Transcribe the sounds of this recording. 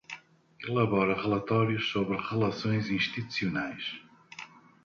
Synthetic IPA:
ilˠɐβɔɾɐʁɨlˠɐt̪ɔɾjuʃsoβɾɨʁɨlˠɐsõj̃zĩʃt̪it̪u̥siunajʃ

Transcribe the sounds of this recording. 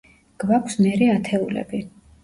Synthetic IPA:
ɡ̥vakʰsmɛɾiat̪ʰɛulɛ̰bi

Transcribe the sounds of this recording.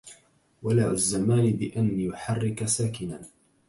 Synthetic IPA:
walaːwazːamaːnɪbɪʔanjʊħɑrːɪkasaːkɪna

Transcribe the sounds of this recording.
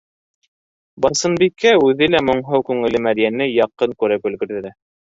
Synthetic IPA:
bɑsɤ̆nbikːæʉðɘlæmŏɴɦɤwkʉŋɘ̆lɘmæd̪jænɘjɑqːɤŋkʉɾækɵ̆lɡɘ̆ɾðɘ̆ɾæ

